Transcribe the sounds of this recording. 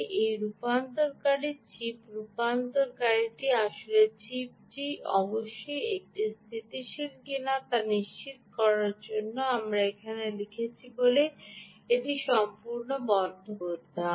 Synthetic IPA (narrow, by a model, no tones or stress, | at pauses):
ʔejɾupant̪oɾkaɾit͡ɕipɾupant̪oɾkaɾiʈiaʃulet͡ɕip̚d͡ʑiɔ̰boʃːojek̚ʈist̪ʰit̪iʃilɡinat̪aɾniʃt͡ɕit̪̚kɔɾaɾd͡ʑonːoamɾaekʰanelikʰet͡ɕʰibole | eʈiʃɔmpuɾnobɔnd̪ʱooɾd̪ʱa